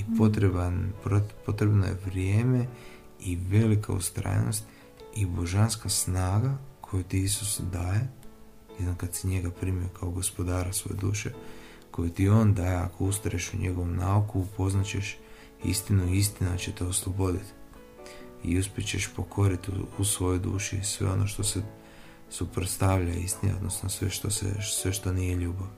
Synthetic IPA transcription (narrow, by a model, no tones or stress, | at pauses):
ipot̪opo̞t̪ɾe̞bno̰jḛʋɾjeːme̞ | iʋe̞likʰa̰ṵst̪ɾa̰jḛno̞̰st̪ | ibo̞ʒanskasnaːɡakʰo̞jut̪iisusd̪aːje̞ | jednokad̪siɲe̞ɡapɾimiokaoɡo̞spo̞d̪aːɾasʋo̞jed̪uːʃe̞ | ko̞jut̪io̞ːnd̪aːjea̰ko̞ust̪aɾeʃuɲeɡo̞ʋomnaukuːpo̞znat͡ɕe̞ʃ | ḭst̪inuiist̪inat͡ɕe̞t̪eo̞slˠobo̞d̪it̪ | ḭuspʲjit͡ɕe̞ʃpo̞kʰo̞ɾit̪ṵusʋo̞jojd̪ṵːʃisʋḛo̞nʔo̞ʃt̪o̞se | supɾot̪st̪aʋʎaist̪ineo̞d̪no̞snosʋḛʃt̪osḛsʋe̞ʃt̪o̞nije̞ʎuːbaʋ